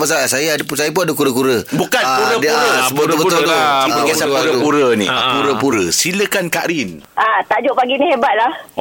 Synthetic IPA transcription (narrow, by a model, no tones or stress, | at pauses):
pasaasajadpsajap̬unadəkuɾəkuɾəbukankuɾədɾəsəbt̪obət̪t̪utiaɡasapuɾəpuɾənḭpuɾəpuɾəsiləkankaʔɾinat̪aʔd͡ʒoʔpaɡinihebat̪̚lah